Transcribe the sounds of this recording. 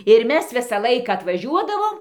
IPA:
ɪr ˈmʲɛs ˈʋʲɪsɑː ˈlˠɐɪkɑː ɐtʋɐˈʒʲuɔdɐʋoːm

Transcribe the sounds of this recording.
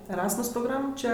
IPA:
ɛˈrɑːsmʊs proːɡˈrɐm ˈt͡ʃʲɛ

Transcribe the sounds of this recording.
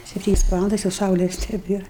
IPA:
sʲɛpʲˈtʲiːnʲɛs ˈʋɑːlˠɐndɐs jɛʊ ˈsɐʊlʲɛs nʲɛˈbʲeːr

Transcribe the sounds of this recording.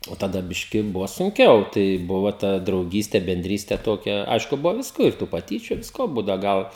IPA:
oː tɐˈdɐ ˈbʲɪʃʲkʲɪ ˈbʊʋɐ sʊŋʲˈkʲɛʊ tɐɪ ˈbʊʋoː ˈtɐ drɐʊˈɡʲiːsʲtʲɛ bʲɛnʲˈdʲrʲiːsʲtʲɛ ˈtoːkʲɛ ˈɐɪʃkʊ ˈbʊʋoː ˈʋʲɪskoː ɪr ˈtuː pɐˈtʲiːt͡ʃʲʊ ˈʋʲɪskoː ˈbuːdɐʊ ˈɡɐlˠ

